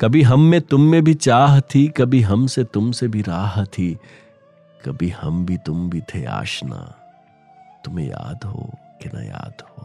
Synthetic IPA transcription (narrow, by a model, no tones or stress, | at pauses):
kɐbʱiɦɐmːẽt̪ʊmːẽbʱit͡ʃaːɦt̪ʰikɐbʱiɦɐmset̪ʊmsebʱiɾaːɦt̪ʰi | kɐbʱihɐmbʱit̪ʊmbʱit̪ʰea̰ːʃna̰ː | t̪ʊmḛ̃ja̰ːd̪ɦo̰ːkenɐ̰ja̰ːd̪ɦo